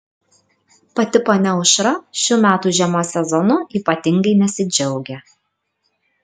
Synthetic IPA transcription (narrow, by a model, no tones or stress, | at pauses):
pɐt̪ʲɪponʲɛʊʃɾɐʃʲʊmʲæːt̪uːʒʲɛmoːsʲɛzɔnʊiːpɐt̪ʲɪŋɡɐɪnʲɛsʲɪd͡ʒʲɛʊɡʲɛ